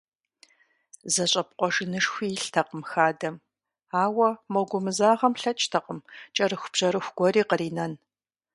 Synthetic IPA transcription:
zɐɕʼɐp̚qʷɔʒɨnɨʂxʷiːɬtʰɐqəmxaːdɐm | aːwɐmɐɡʷʊmɨzaːʁɐmɬɐt͡ʃʼtʰɐqəmt͡ʃʼɐrɨxʷb̥ʑ̥ɐɾɨxʷɡ̥ʷɔɾiːqəɾiːnɐn

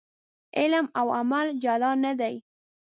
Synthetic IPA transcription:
ɪlmawamald͡ʒalɑnad̪aj

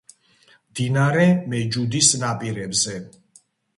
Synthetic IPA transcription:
md̪inaɾɛmɛd͡ʒud̪isnapʼiɾɛbzɛ

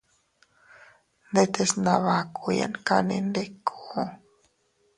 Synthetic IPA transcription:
nd̪et̪esnaβakuja̰nkanḭnd̪ekʰo

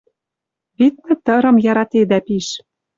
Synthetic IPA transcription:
βit̪̚nɘ̆t̪ɤ̆ɾɤ̆mjɑɾɑt̪ed̪æpiʃ

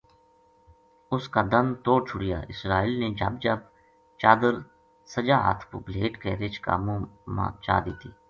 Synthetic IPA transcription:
ʊskaːd̪əmt̪oːɽt͡ʃʰʊɽɪja̰ːɪsɾaːiːlneːd͡ʒə̰bd͡ʒəb | t͡ʃaːd̪əɾ | səd͡ʒaːɦə̰t̪ʰkobleːʈkeːɾɪt͡ʃka̰ːmõːmã̰ːt͡ʃa̰ːd̪iːt̪iː

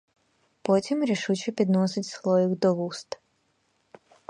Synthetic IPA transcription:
pot̪ʲimɾeʃut͡ɕeped̪nosit̪ʲslˠojiɡd̪oʋust̪

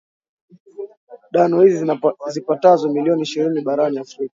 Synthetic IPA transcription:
ɗanɔhizzipatazɔmiliɔniːʃiɾiniɓaɾaniafɾika

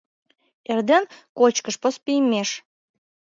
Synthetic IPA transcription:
erd̪enkot͡ɕkəʃpospijmeʃ

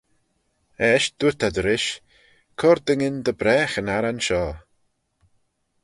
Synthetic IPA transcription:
ɛːʃd̪̥ut̪ʰad̪əɾɪʃ | kʰɔɾd̪əŋɪnd̪əbɾɛːxənaɾanʃɔː

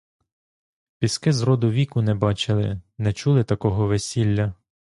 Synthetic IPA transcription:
pʲiskɪzɾɔd̪ʊʋʲikʊnɛbɑt͡ʃɪlˠɪ̰nɛt͡ʃulˠɪt̪ɐkɔɦɔʋesʲilʲːɐ

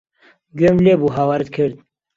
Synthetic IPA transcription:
ɡømleːbuɦawɐɾt̪̚kʰɨɾd̪̚

